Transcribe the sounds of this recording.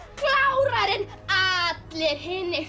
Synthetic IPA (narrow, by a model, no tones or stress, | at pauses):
klawɾaɾɪn | at̪lɛɾ̥hɪnːɪ